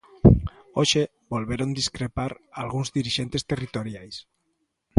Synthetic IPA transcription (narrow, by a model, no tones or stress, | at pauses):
oʃe | bolβeɾond̪iskɾepaɾalɣuŋzðiɾiʃent̪est̪erit̪oɾjajs